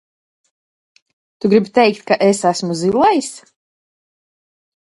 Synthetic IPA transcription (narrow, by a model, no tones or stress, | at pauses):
t̪uɡɾibt̪ɛjkt̪̚kaʔesasmuzilˠajs